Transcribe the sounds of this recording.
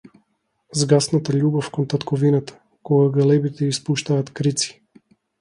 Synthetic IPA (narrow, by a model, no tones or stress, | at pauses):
zɡasnat̪aʎʲubɔfkɔnt̪at̪kʰɔvinat̪ḁ | kɔɡaɡalɛbit̪ɛispuʃt̪aːt̪kɾit̪si̥